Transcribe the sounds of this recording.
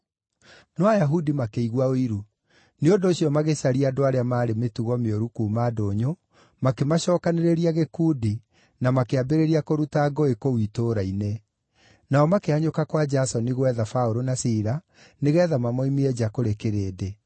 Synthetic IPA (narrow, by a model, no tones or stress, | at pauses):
nɔajaɦudimakeiɣwaoiɾu | neondoːɕiɔmaɣesaɾiadoaɾeamaːɾemetuɣɔmeoɾukuːmadoːɲo | makemaɕɔːkaneɾeɾiaɣekuːdi | namakeabeɾeɾiakoɾutaɡɔekowitoɾaine | naɔmakeaɲokakwad͡ʒasɔneɣwɛðafaoɾonasiɾa | neɣɛːðamamɔimiɛd͡ʒakoɾekeɾeːde